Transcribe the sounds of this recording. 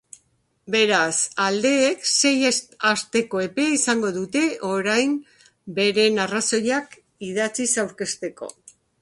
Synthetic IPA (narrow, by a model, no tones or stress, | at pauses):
be̞ɾasald̪e̞ːkse̞jast̪e̞ko̞e̞pe̞aisaŋɡo̞ðut̪e̞ʔo̞ɾajm | be̞ɾe̞naraso̞jak | iðat͡sisawɾke̞st̪e̞ko̞̰